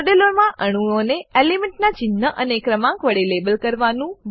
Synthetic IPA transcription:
ɖeloɾmãʔəɽ̃uoneelimɛ̃ɳʈnat͡ʃɪnːəʔənekɾəmãkʋəɽelebəlkəɾʋanũʋ

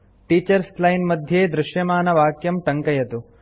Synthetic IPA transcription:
ʈiːt͡ʃɐɾslɐjnmɐd̪ʱjeːd̪ɾɪʃjɐmaːnɐʋaːkjɐmʈɐŋkɐjɐt̪u

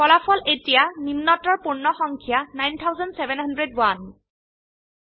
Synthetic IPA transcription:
kɔlafɔletijanimnɔtɔɹpuɹnɔxɔŋkʰijanajntʰawzɔndsɛbɛnɦandɹedwan

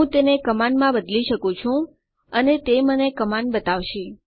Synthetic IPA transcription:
ũt̪enekəmanmãbəd̪liʃəkũt͡ʃʰũ | ənet̪emənekəmanbət̪aʋʃi

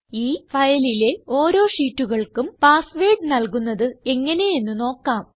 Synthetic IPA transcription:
iːfɐjɐlile̞o̞ːɾo̞ːʂiːtːuɣɐɭkumpaːsʋeːɖɨnɐlkunːɐðɨe̞ŋːɐne̞je̞nːuno̞ːkːaːm

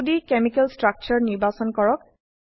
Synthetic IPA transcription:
dikemikɛlstɹak̚t͡ʃɔɹniɹbasɔnkɔɹɔk̚

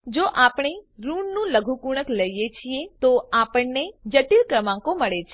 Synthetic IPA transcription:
d͡ʒoʔapɳ̃eɾuɳnũləɡʱukuɽ̃əkləjjet͡ʃʰiet̪oapəɳned͡ʒəʈilkɾəmãŋkõməɭet͡ʃʰe

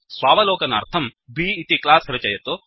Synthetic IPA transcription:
sʋaːʋɐloːkɐnɐ̰ɾt̪ʰɐmbʱiːt̪iklaːsɾɐt͡ʃɐjɐt̪u

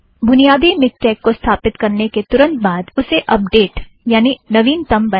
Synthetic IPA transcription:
bʱʊnijaːd̪imɪs̚t͡ʃɛːkːost̪ʰaːpɪt̪kɐɾneket̪ʊɾə̃nt̪̚baːd̪ʊseʔɐp̚ɖeːʈ | jaːninɐʋiːnt̪ɐmbɐ

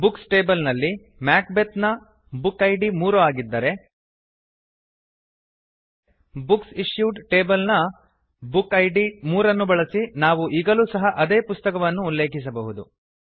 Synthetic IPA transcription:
buksʈe̞ːbɐlnɐlːi | maːk̚bet̪nɐ | bukːɐjɖimuːɾɐʋaːɡid̪ːɐɾe̞ | buksiʂjuːɖʈe̞ːbɐlnɐ | bukːɐjɖimuːɾɐnːubɐɭɐsinaːʋuʔiːɡɐluːsɐɦɐʔɐd̪e̞ːpust̪ɐkɐʋɐnːuːlːeːkis̬ɐbɐɦud̪u

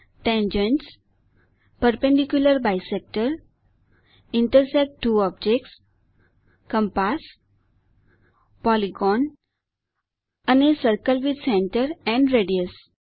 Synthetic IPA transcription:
ʈɛ̃nd͡ʑẽnʈs | pəɾpẽɳɖikjuləɾbajsek̚ʈəɾ | iɳʈəɾsɛk̚ʈːuːɔb̚d͡ʑek̚ʈs | kə̃mpas | pɔliɡɔn | ənesəɾkəlʋid̪sẽɳʈəɾɛ̃ɳɖɾeɖiəs

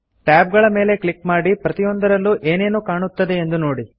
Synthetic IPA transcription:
ʈaːb̚ɡɐɭɐme̞ːle̞kɭikmaːɽipɾɐt̪ijond̪ɐɾɐlːuʔe̞ːne̞ːnukaːɳut̪ːɐd̪e̞ːnd̪uno̞ːɽi

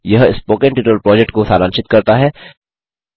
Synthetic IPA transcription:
jɐɦɪspoːkẽɳʈɪʈəlpɾɔːd͡ʒɛk̚ʈkosaːɾãːnʃɪt̪kɐɾt̪aɦɛː

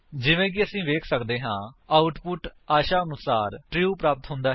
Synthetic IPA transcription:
d͡ʒɪʋẽːk̬ɪəsĩːʋeːkʰsəkd̪eːɦãːaːʊʈpʊʈaːʃaːənʊsaːɾʈɾɪuːpɾaːpət̪ɦʊ̃nd̪aː

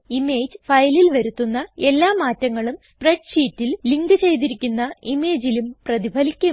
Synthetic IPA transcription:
imeːd͡ʑfɐjlilʋɐɾut̪ːunːɐe̞lːaːmaːtːɐŋːɐɭumspreɖɕiːtːilliŋɡɨt͡ɕe̞jt̪̬iɾikʲːunːɐimeːd͡ʑilumprɐðibʱɐlikʲːɐ

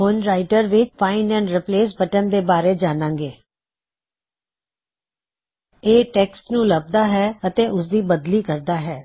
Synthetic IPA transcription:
ɦʊnɾaːɪʈəɾʋɪt͡ʃpʰaːɪnɛ̃ːɳɾɪpleːs̬bəʈənd̪eːbaːɾeːd͡ʒaːnãːŋɡeː | eːʈɛːksʈnũːləb̚d̪aːɦɛːət̪eːʔʊsd̪iːbəd̪liːkəɾd̪aːɦɛː

